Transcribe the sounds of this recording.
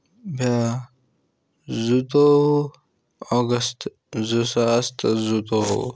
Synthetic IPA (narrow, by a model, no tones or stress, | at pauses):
bja | zut̪o | ɔɡəst̪ | zusast̪zut̪oṵ